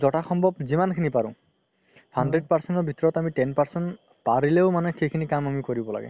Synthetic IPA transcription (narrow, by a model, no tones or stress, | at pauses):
zɔʈaxɔmbʱɔbzimankʰinipaɹʊ̃ | hanɖɹeɖ̚paɹsɛnʈɔɹbʱitɔɹɔtamiʈɛnpaɹsɛn | paɹileʊmanɛxejkʰinikamamikoɹibɔla̰ɡɛ̰